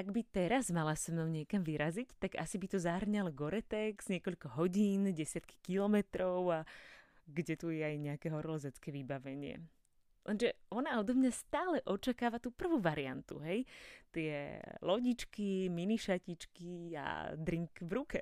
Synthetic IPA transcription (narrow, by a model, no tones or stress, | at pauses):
ʔaɡbit̪ɛɾazmalasɛmnɔʊɲɪɛkamʋiɾazict̪aɡa̰sibit̪ɔzaɦr̩ɲalɔɡɔɾɛt̪ɛɡz̥ɲɪɛkɔʎkɔɦɔɟiːnɟɛsɪat̪ki̥kilɔmɛt̪ɾɔʊa | ɡɟɛt̪ujɛajɲɛakɛɦɔɾɔlɔzat͡skɛːʋibaʋɛɲɪɛ̰ | lʔɛnʒɛɔnaɔd̪ɔmɲast̪aːlɛʔɔt͡ʃakaːʋat̪uːpr̩ʋuːʋaɾia̰nt̪ṵɦɛjt̪ɪɛlɔɟit͡ʃkiminiʃacit͡ʃkia̰d̪ɾiŋkvɾukɛ